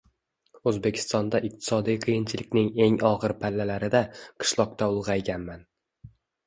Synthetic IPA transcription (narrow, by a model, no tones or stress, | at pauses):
ɵzbe̞kʲʰɪ̥st̪ɒnd̪aʔɪq̚t̪ʰɪ̥sɒd̪ijqʰɨjɪnt͡ʃʰɪlɪkʲnɪŋe̞ŋɒʁɨɾpʰalːalaɾɪd̪aqʰɨ̥ʃlˠɒq̚t̪ʰaʊlˠʁɑjɡʲanman